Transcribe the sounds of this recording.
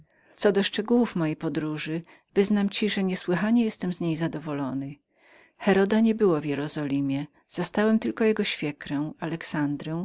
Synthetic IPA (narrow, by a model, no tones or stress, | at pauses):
t̪sɔd̪ɔʂt͡ʂɛɡuwufmɔjejpɔd̪ɾuʐɘ | vɘznamt͡ɕiʐɛɲɛswɘxaɲɛjɛst̪ɛmzɲejzad̪ɔvɔlɔnɘ | xɛɾɔd̪aɲɛbɘwɔvʲjɛɾɔzɔlʲimʲjɛ | z̥ast̪awɛmt̪ɘlkɔjɛɡɔɕfʲjɛkɾɛw̃alɛksand̪ɾɛw̃